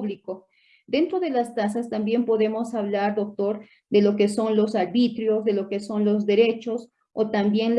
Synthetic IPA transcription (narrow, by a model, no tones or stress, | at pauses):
βliko | d̪e̞nt̪ɾo̞ðe̞last̪as̬ast̪ambje̞mpo̞ðe̞mo̞saβlaɾd̪o̞k̚t̪o̞ɾ | d̪e̞lo̞ke̞so̞nlo̞saɾβit̪ɾjo̞zðe̞lo̞ke̞so̞nlo̞zðe̞ɾe̞t͡ʃo̞s | ot̪ambje̞nl